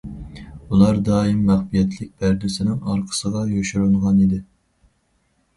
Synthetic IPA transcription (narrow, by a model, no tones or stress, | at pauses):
ulˠɑɾd̪ɑːimːæχbijɛt̪ʰlɪk̚ʲbæɾd̪ɪsɪnɪŋɑɾqʰə̥səʁɑjøʃyɾuɴʁɑnid̪ɪ